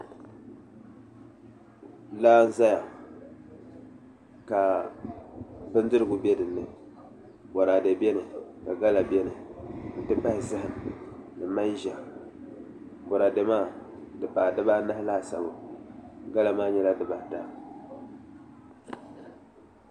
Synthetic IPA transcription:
laː˦n̩˦za˦ja˨ | ka˨ | bɨ˦n˦dɨ˦ɾɨ˦ɡʊ˨bɛ˦dɨ˨nːɨ˨ | bɔ˨ɾa˨dɛ˨bɛ˦nɨ˨ka˨ɡa˦la˨bʲɛ˦nɨ˨n̩˨tɨ˦pa˦˨zɨ˦hɨ˨n˨nɨ˨ma˦n˦ʒa˨ | bɔ˨ɾa˨de˨maː˦˨dɨ˨pa˨dɨ˦ba˦na˦hla˦˨sa̰˨bʊ˨ | ɡa˦la˨maː˦ɲɛ˦la˦dɨ˦ba˨ta˨

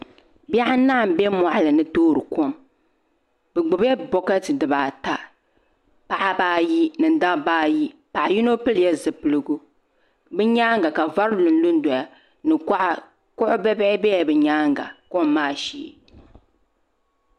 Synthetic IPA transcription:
bi˦ɛ˦ʔa˦na˦˨m˨bɛ˦mɔ˨ʔa˨lɨ˨nɨ˦toː˦ɾɨ˨ko˦m | bɛ˨ɡ͡bʊ˨bɛ˦bɔ˦ka˦tɨ˨dɨ˨baː˨ta˦ | pa˨ʔa˦baː˦ji˦nɨ˨n˨˦da˦baː˦ji˦pa˨ʔa˨ji˦no˦pɨ˦ljɛ˦zɨ˨pɨ˨lɨ˦ɡʊ˦ | bɨ˦ɲaː˦ŋɡa˨ka˨va˦ɾlɨ˨n̩˦lu˦n˦dɔ˨ja˨ | nɨ˨kʔa˦ | kʊ˦ʔʊ˦bɛ˦bɪ˦ɪ˦bɛ˦a˨bɨ˨ɲaː˦ŋɡa̰˨ko˦˨m˦mːaː˦˨ʃḭː˦˨

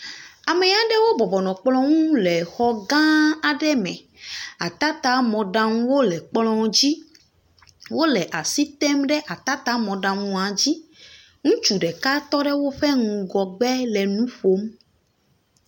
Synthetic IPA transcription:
a˨me˨ɲa˨ɖɛ˦wo˦bɔ˨bɔ˨nɔ̃˨k͡plɔ̃˦ŋũ˦lɛ˨xɔ˦ɡã˦a˨ɖɛ˦mɛ̰̃˨ | a˨t̪a˦t̪a˦mɔ̃˨ɖã˨ŋ̃˦wo˦lɛ˨k͡plɔ̃˦d͡ʑi˦ | wo˦lɛ˨ʔa˨si˦t̪ɛ˦mɖɛ˦ʔa˨t̪a˦t̪a˦mɔ̃˨ɖã˨ŋũ˨ã˨d͡ʑi˦ | ŋũ˦t͡ʃu˨ɖɛ˨ka˦t̪ɔ˦ɖɛ˦wo˦ɸɛ˦ŋũ˨ɡɔ˨ɡ͡bɛ˦lɛ˨nũ˦ɸo˦m

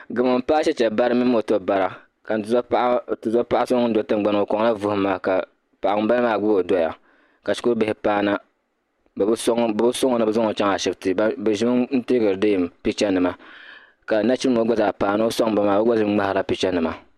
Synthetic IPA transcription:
ɡɨ˨mɨ˨m˨paː˦ʃɛ˦t͡ʃɛ˨ba˦ɾɨ˦mi˦m˦o˨to˦˨ba˨ɾa˨ | ka˨n˨zʔtɨ˨za˦pa˦ʔa˦so˦ŋ˦n˦do˨tɨ˦ŋ˦ɡ͡ba˨n˨o˨ko˨ŋ˦la˦vʊ˦hʊ˦maː˨ka˨ | pa˨ʔa˨ŋ˨˦ba˦lmaː˨ɡu˦bo˨do˦ja̰˨ | ka˨ʃi˦ku˦ɾbɪ˨hɪ˨paː˦na˦ | bbsŋ˦bbu˦so˦ŋ˦nɨ˦bɛ˦zo˦ŋo˨t͡ʃa˦ŋ˨a˨ʃɛ˦btɨ˨˦bɛ˨ʒi˦m˦n̩˦teː˦ɡɨ˨ɾɨ˨de˦˨m˨pi˦t͡ʃɛ˦nɨ˨ma˨ | ka˨na˦t͡ʃi˦ɨ˦mo˦ɡʷa˦zaː˨paː˨no˦o˦sa˦ŋ˦ba˦maː˨bɛ˦ɡa˦zɨ˦ŋ͡ma˦ha˨la˦pi˦t͡ʃa˦nɨ˨ma˨

